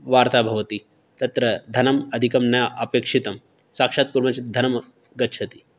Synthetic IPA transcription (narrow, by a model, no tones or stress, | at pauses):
ʋaːɾt̪aːbʱɐʋɐt̪i | t̪ɐt̪ɾɐd̪ʱɐnɐmɐd̪ʱikɐmnɐjʔɐpeːkʂit̪ɐm | sakʂat̪̚kuɾmɐt͡ʃid̪ʱɐnɐm | ɡɐtːt͡ʃʰɐt̪i